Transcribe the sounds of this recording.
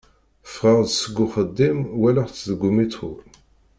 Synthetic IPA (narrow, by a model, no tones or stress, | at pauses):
fʁəʁd̪səɡːuχəd̪ːimwæləʁt͡sːðəɡumit͡sṵl